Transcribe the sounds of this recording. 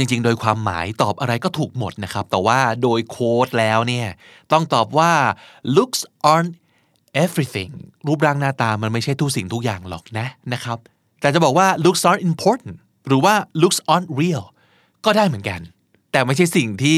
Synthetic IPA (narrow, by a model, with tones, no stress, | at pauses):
t͡ɕi˧ŋt͡ɕi˧ŋdoː˧jkʰwaː˧mːa̰ː˩˦jt̪ɔː˨˩p̚ʔa˧ɾa˧jkɔː˥˩t̪ʰuː˨˩k̚mo˨˩t̪̚na˦˥kʰɾa˦˥p̚t̪ɛː˨˩waː˥˩doː˧jkʰoː˦˥t̪̚lɛː˦˥wni˥˩ɐ | t̪ɔ˥˩ŋt̪ɔː˨˩p̚waː˥˩lu˦˥k̚sʔɔ˧n | ʔe˦˥fɾi˧t̪ʰḭ˨˩ŋɾuː˦˥p̬̚ɾaː˦˥ŋnaː˥˩t̪aː˧ma˧nma˥˩jt͡ɕʰa˥˩jt̪ʰu˦˥˩si˨˩ŋt̪ʰu˦˥k̚jaː˨˩ŋlɔ̰˨˩k̚na˦˥na˦˥kʰɾa˦˥p̚ | t̪ɛː˨˩t͡ɕa˨˩bɔː˨˩k̚waː˥˩lu˦˥k̚sʔaː˦˥nʔi˧mpʰɔː˦˥t̪n | ɾɯː˩˦waː˥˩lu˦˥k̚sʔɔː˧nɾi˥˩əl | kɔː˥˩daː˥˩jmɯ˩˦nka˧n | t̪ɛː˨˩ma˥˩jt͡ɕʰa˥˩jsi˨˩ŋt̪ʰiː˥˩